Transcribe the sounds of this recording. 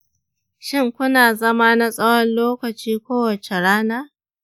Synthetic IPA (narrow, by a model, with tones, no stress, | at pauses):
ʃɪ˦ŋkʷʊ˦naː˨zɐ˦ma˦na˦sʼɐ˦wɔ˦nloː˦kɐ˨t͡ʃiː˦kʷoː˦wɐ˨t͡ʃe˨ɽaː˦naː˦